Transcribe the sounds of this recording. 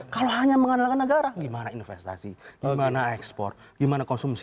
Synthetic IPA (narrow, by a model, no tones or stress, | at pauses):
kaloɦaɲaməŋanalkanːəɡaɾaɡimanainnfɛst̪a̰siɡ̥imanaɛkspɔ̰rt̪̚ | ɡ̥imanakɔnsums